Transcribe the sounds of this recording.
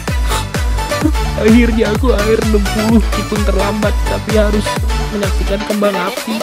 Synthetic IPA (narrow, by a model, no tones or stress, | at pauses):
ahɪrɲakuaɪrnəmpulʊhkip̪ʊnt̪ərlambat̪ːapihaɾʊsməɲak̚sikankəmbaŋap̚i